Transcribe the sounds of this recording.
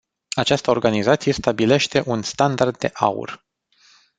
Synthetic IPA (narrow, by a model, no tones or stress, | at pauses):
at͡ʃast̪əo̞rɡanizat̪sije̞st̪abile̞ʃt̪e̞ʔunst̪and̪ard̪̚dːe̞ʔa̰ṵr